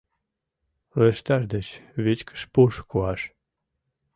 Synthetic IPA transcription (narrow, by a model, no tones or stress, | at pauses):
leʃt̪ɑʒd̪ət͡ɕβet͡ɕkə̥ʃpuʃkuɑʃ